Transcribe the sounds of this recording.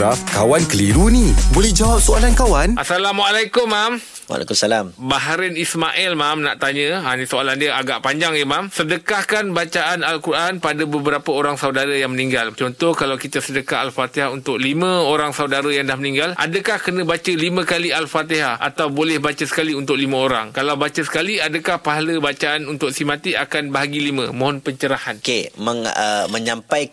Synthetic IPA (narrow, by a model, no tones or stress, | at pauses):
afkawankəliɾunibolɛhd͡ʒawap̚soalankawanʔa̰salamwaalajkʊmːam | wa̰la̰kumsalambaɦaɾənismaʔɛlmamna̰ʔt̪aɲə̃anisoalandiəaɡaʔpaɲd͡ʒaŋjəmamsədəkahkanbat͡ʃaʔanalkuɾʔanpadabəbəɾapəoɾaŋsaudaɾajaŋməniŋɡalt͡ʃɔnt̪ɔhkalawkit̪asədəkaalfat̪eɦaunt̪ʊk̚limə̃oɾaŋsaudaɾəjaŋdahməniŋɡalʔa̰dəkahkənə̃bat͡ʃəlimə̃kalialfat̪eɦaʔa̰t̪awbolɛhbat͡ʃəsə̥kaliunt̪ʊk̚limãoɾaŋkalawbat͡ʃəsə̥kaliadəkahpaɦaləbat͡ʃaːnunt̪ʊk̚simãt̪iakanbaɦaɡilimə̃mõɦɔnpəɲt͡ʃəɾahankeməŋə̰mə̃ɲampaj